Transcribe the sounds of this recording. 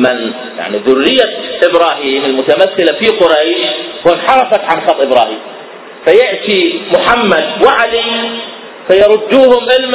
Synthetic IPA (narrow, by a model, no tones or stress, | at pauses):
mɪn | ja̰ʕniðʊrːɪjːaʔɪbɾɑːɦiːmɪlmʊt̪amaθːɪlafiqʊɾajʃwɪnħɑɾˤɑfakʕanxɑt̪ˤʔɪbɾɑːhiːm | fajɪʕt̪imʊħamːad̪wɪʕali | fajɑɾˤʊd̪ːuːhʊmʔɪlm